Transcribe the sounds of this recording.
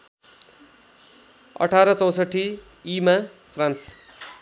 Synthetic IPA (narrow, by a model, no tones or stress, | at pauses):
ʌ̰ʈʰaɾʌt͡sʌwsʌʈʰi | ima | pʰrãns